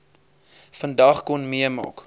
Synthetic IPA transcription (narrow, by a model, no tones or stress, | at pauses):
fəndɐχkɔnmiəmɑ̰ːk